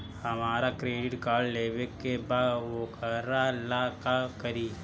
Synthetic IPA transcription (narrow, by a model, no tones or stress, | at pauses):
hɐmaːɾakɾeːɖɪʈkaːɾɖleːʋekːebaːdʋoːkəɾalaːkakɐɾiː